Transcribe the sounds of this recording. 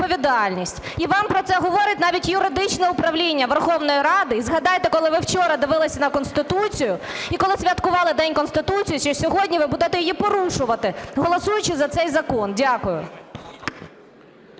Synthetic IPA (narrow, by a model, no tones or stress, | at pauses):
pɔʋʲid̪ɑlʲnʲisʲtʲ | iʋɑmpɾɔt̪sɛɦɔʋɔɾɪtʲnɑʋʲitʲjʊɾɪd̪ɪt͡ʃnɛʊpɾɐʋlʲinʲːɐʋɛrxɔwnɔjiɾɑd̪ɪizɦɐd̪ɑjt̪ɛkɔlˠɪʋɪwt͡ʃɔɾɐd̪ɪʋɪlˠɪsʲɐnɐkɔnst̪ɪt̪ut͡sʲijʊ | ikɔlˠɪsʲʋʲɐt̪kʊʋɑlˠɪd̪ɛnʲkɔnst̪ɪt̪ut͡sʲijiʃt͡ʃɔsʲɔɦɔdʲnʲiʋɪbud̪ɛt̪ɛjɔjipɔɾuʃʊʋɐt̪ɪɦɔlˠɔsujʊt͡ʃɪzɐt̪sɛjzɐkɔndʲakʊjʊ̰